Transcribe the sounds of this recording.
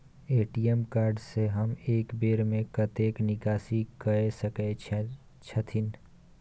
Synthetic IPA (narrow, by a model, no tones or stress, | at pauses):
eːʈiːjemkaːɾɖseɦəmeːkbeːɾmẽkɐt̪eːknɪkaːsikəesəke | t͡ʃʰət̪ʰɪn